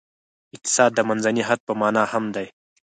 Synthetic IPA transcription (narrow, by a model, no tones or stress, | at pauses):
ɪq̚t̪ɪ̥saːd̪ːɐmɐnzɐniɦɐd̪̚pəmaːnahɐmd̪aj